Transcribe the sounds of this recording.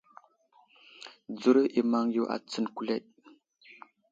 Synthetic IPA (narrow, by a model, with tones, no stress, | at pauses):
d͡zu˦ɾʔi˨ma˦ŋju˦ʔa̰˨t͡sə˨nku˨˦le˦˨ʔ̚